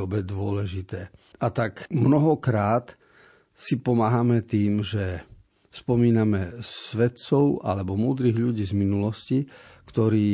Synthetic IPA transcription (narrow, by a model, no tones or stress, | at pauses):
ɔbɛd̪ʊɔlɛʒit̪ɛːʔat̪akmnɔɦɔkɾaːt̪ | sipɔmaɦamɛt̪iːmʒɛ | spɔmiːnamɛsʋɛt̪t͡ssɔʊa̰lɛbɔmuːd̪ɾiɣʎuɟiːzminulɔscikt̪ɔɾiː